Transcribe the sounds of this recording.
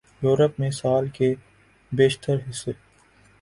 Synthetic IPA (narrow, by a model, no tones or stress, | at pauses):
juːɾəpmẽsaːlke | beːʃt̪əɾɦɪsːe